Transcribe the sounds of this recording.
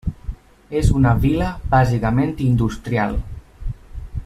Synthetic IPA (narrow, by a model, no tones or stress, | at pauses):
ezunəβiləbazikəmẽnt̪ind̪ust̪ɾia̰lˠ